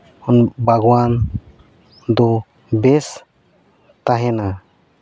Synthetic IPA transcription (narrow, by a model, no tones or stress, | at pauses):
ɔnbaɡwan | d̪ɔ | bɛs | t̪aɦɛna